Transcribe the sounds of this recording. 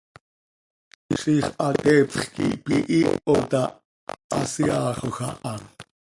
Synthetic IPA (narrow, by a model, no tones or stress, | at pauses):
χiχʔɑt̪ɛpχkḭʔpiʔiʔot̪ɑ | ɑsiɑːχoxɑʔɑn